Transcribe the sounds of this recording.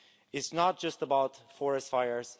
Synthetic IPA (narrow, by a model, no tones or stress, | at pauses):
ɪtsnət̚d̥ʒ̥ʌstəbaʊtfɔɹɛstfaɪə˞z̥